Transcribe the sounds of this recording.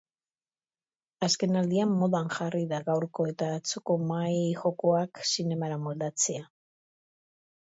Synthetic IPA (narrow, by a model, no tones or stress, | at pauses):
aske̞nald̪iamːo̞ðanʝariðaɣawɾko̞e̞t̪aβat͡suko̞majxo̞ko̞aksine̞maɾamo̞ld̪at͡se̞a